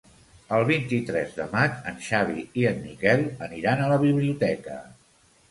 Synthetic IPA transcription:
əlˠβ̞int̪it̪ɾɛzðə̰mat͡ʃənʃaβ̞ḭiənːikɛlˠəniɾanələβ̞iβliut̪ɛkə̰

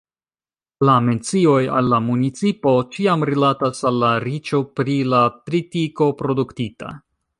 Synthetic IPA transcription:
lame̞nt͡sio̞ja̰lːamunit͡sipo̞t͡ʃiamɾilatasalːaɾit͡ʃo̞pɾilatɾitiko̞pɾo̞duktita̰

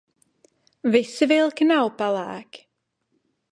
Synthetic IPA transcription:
vɪsəvɪlˠkʰənawpala̰k

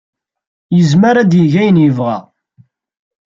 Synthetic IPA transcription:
jəzmaɾad̪jəʝæjənjəvʁæ̰

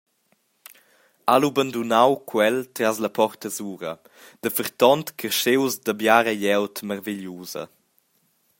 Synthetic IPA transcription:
alubənd̪unawkʰwɛlt̪ɾazləpɔɾt̪əzuːɾə | d̪̥əfəɾt̪ɔnt̪kʰəʃewzd̪əbjaɾəjɛwtməɾviʎjuːzə̰

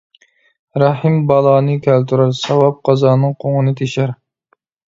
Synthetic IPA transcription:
ɾɑhɨmbɑlˠɑːnɨkʲʰælt̪ʰuɾæɾsɑwɑp̚qʰɑzɑːnɨŋqʰoŋɨnɨt̪ʰeʃæɾ

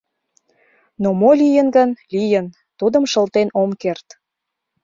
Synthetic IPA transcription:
nomolʲijənɡənlʲijən | t̪ud̪əmʃəlt̪enomkert̪

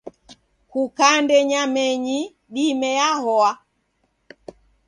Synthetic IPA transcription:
kukandɛɲamɛɲi | ɗimɛjahɔa

